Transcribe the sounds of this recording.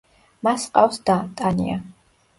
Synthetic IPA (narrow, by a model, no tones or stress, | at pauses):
masqʼafsd̪at̪ʼanḭa̰